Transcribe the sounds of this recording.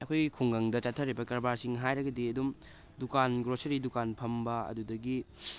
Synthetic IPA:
ɐkʰojɡikʰuŋɡɐŋdɐt͡ʃatʰːɐɾibɐkɐɾbaɾsiŋɦajɾɐɡɐdiɐdum | dukanɡɾosɐɾidukanpʰɐmbɐɐ̰dudɐɡi

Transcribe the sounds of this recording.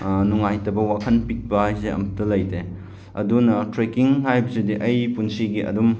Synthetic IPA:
nuŋajtɐbɐwakʰɐnpik̚bɐhajseɐ̰mɐtɐlɐjde | ɐdunɐtɾekiŋhajbɐsudiʔɐjpunsiɡiʔɐ̰dum

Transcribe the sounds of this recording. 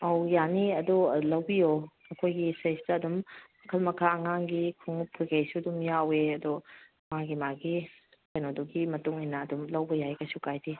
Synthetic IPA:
ɐwjaniɐdulɐwbijo | ɐkʰojɡisejsdɐːdumɐkʰɐlmɐkʰaɐŋaŋɡikʰuŋpʰuɾɡejsudumjaweɐdo | maɡimaɡi | kɐjnoduɡimɐtuŋinɐːdumlɐwbɐjajɡɐsukajdi

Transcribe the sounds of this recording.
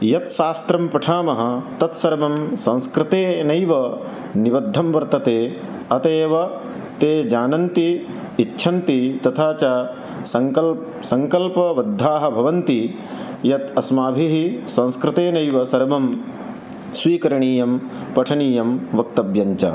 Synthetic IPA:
jɐt̪ʃaːst̪ɾɐmpɐʈʰaːmɐɦɐ̆t̪ɐt̪sɐɾmɐmsɐ̃nskɾɪt̪eːnɐjʋɐ | niʋɐd̪ʱːɐmʋɐɾt̪ɐt̪eː | ɐt̪eːʋɐ | t̪eːd͡ʒaːnɐnt̪iː | tːʃʰɐnt̪it̪ɐt̪ʰaːt͡ʃa | ɐ | sɐŋkɐlpɐʋɐd̪ʱːaːɦɐ̆bʱɐʋɐnt̪i | jɐt̪ɐsmaːbʱiɦisɐ̃ñskɾɪt̪eːnɐjʋɐsɐɾmɐm | sʋiːkɐɾɐɳiːjɐmpɐʈʰɐɳiːjɐmʋɐk̚t̪ɐbjɐɲt͡ʃɐ̰

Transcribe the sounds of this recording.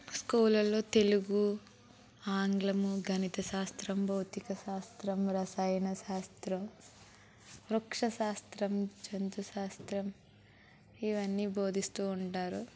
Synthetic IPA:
skuːlɐlːo̞ːt̪e̞luɡu | aːŋɡlɐmuɡʱɐnit̪ɐʃaːst̪ɾɐmbʱɐwt̪ikɐʃaːst̪ɾɐmɾɐsɐjnɐʃaːst̪ɾɐm | ɾukʂɐʃaːst̪ɾɐmt͡ʃɐnt̪uʃaːst̪ɾɐm | iʋɐnːiːbʱo̞ːd̪ʱist̪uːɳʈaːɾu

